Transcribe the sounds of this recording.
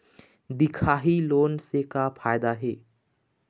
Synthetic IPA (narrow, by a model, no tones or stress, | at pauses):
d̪ɪkʰaːɦiloːnsekapʰaːjd̪aɦeː